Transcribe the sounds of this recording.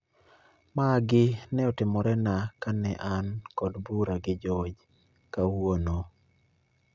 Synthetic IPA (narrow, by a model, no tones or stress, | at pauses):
maɡɪnɛɔtɪmɔɾɛnakanɛʔankɔdbuɾaɡɪd͡ʒɔd͡ʒ | kawwono